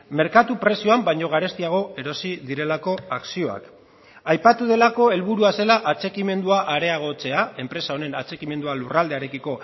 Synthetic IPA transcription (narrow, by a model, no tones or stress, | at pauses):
me̞ɾkat̪upɾe̞sio̞ambajɲo̞ɣ̞aɾe̞st̪iaɣ̞o̞e̞ɾo̞siðiɾe̞lako̞aksio̞a̰k | ajpat̪uðe̞lako̞e̞lβuɾuase̞laʔat͡se̞kime̞nd̪uaʔaɾe̞aɣ̞o̞t͡se̞ae̞mpɾe̞sao̞ne̞na̰t͡se̞kime̞nd̪ualurald̪e̞aɾe̞kiko̞